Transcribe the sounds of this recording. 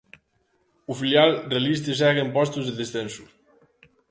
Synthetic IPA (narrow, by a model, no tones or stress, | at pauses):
ufiljalrealist̪esɛɣempɔst̪uzðeðesθensu